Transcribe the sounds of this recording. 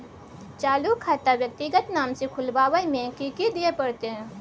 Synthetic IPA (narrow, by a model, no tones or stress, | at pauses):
t͡ʃaːlukʰːaːt̪aʋjɐk̚t̪iɡət̪naːmsekʰʊlbaːʋəimẽkikid̪ijepɐɽt̪eɦɛ̃ː